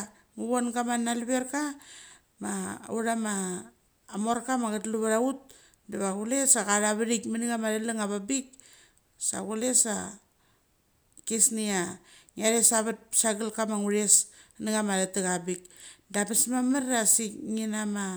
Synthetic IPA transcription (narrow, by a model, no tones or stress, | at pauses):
ŋuβonɡamanːalβeɾka | ma̰uɾamaː | moɾkamaɡatluβaɾaut̚ | daβaɡulesakaɾaβaɾikmaniɡamadalaŋaβabik | sa̰ɡulesa̰ | kesniaŋaɾesaβat̚saɡalkamaŋuɾesniɡamaɾatiɣabik̚dapasmamaɾasikŋinama